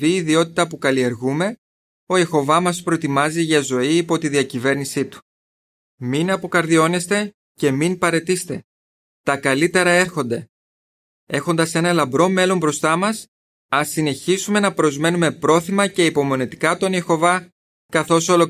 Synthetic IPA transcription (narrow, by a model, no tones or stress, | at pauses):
iːðio̞t̪i̥t̪ɐpukɐlie̞ɾɣume̞ | o̞jexo̞vɐmɐspɾo̞t̪imɐziʝɐzo̞iːpo̞t̪iðiɐcive̞ɾnisit̪u̥ | minɐpo̞kɐɾðio̞ne̞st̪e̞ | ce̞minpɐɾe̞t̪ist̪e̞ | t̪ɐkɐlit̪e̞ɾɐe̞ɾxo̞nd̪e̞ | e̞xo̞nd̪ɐse̞nɐlɐbɾo̞me̞lo̞mbɾo̞st̪ɐmɐs | ɐsine̞çisume̞nɐpɾo̞zme̞nume̞pɾo̞θimɐce̞ipo̞mo̞nit̪i̥kɐt̪o̞nexo̞vɐ | kɐθo̞so̞lo